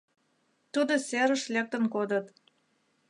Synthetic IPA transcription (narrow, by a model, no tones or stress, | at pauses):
t̪ud̪oseɾə̆ʃlek̚t̪ə̆nkod̪ət̪